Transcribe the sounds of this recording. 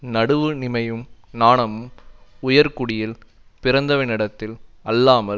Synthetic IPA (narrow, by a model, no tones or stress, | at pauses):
nɐɽɯʋɯnɪmɐjɯmnaːɳɐmɯmʊjɐɾkʊɽɪjɪl | pɪɾɐnd̪ɐʋɪnɪɽɐt̪ːɪlɐlːaːmɐ